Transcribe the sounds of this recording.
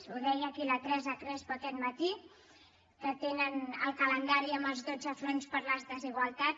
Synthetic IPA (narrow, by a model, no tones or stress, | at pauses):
uzðɛjəkilət̪ɾɛzət̪ɾɛspɔt̪ɛt̪mət̪i | kət̪enənə̰lˠkələnd̪aɾiəmbəlˠzðod͡zəfɾonspəɾləzðəziɣwəlˠt̪at̪